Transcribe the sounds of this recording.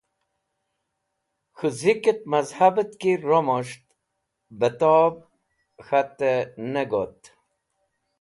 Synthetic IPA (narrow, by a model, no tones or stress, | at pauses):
xɨzikət̪̚mazhabət̪kiɾomoʂt̪ | bət̪ɔb̚ | xat̪ːeneɡot̪